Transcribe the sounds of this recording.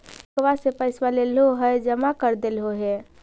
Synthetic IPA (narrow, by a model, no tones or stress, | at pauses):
kʋasepəɪswalelɦoɦəjd͡ʒəmakəɾd̪elɦoɦe